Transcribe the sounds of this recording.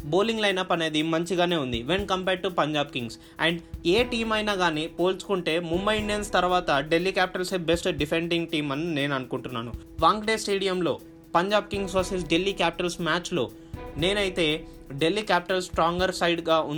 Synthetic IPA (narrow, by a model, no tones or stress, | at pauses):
bo̞ːliŋɡlɐjnɐpːɐne̞ːd̪imɐɲt͡ʃiɡaːne̞ːund̪iʋenkɐmpeːɖ̚ʈupɐɲd͡ʒaːb̚kiŋɡs | ɛɳɖeːʈiːmɐjnaːɡaːnipo̞ːlt͡ʃu̥kuɳʈe̞ːmumːɐjiɳɖijɐnst̪ɐɾʋaːt̪ɐɖe̞lːikaːpi̥ʈɐlsebesʈɖipʰe̞ɳɖiŋɡ̚ʈiːmɐnːine̞ːnɐnukuɳʈunːa̰ːnu | ʋaːŋɡɖeːsʈeːɽijɐmlo̞ː | pɐɲd͡ʒaːb̚kiŋɡsosis̬ɖelːikaːpi̥ʈɐlsmaːt͡ʃlo̞̰ː | ne̞ːnɐjit̪e̞ː | ɖe̞lːikaːpi̥ʈɐlsʈɾaːŋɡɐɾsɐjɖɡaːun